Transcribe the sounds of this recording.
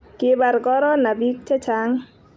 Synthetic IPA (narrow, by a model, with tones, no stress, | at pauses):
kɪ˦ba˨ɾɡɔ˦ɾɔ˦na˨bi˦k̚t͡ʃɛ˦t͡ʃa˨˦ŋ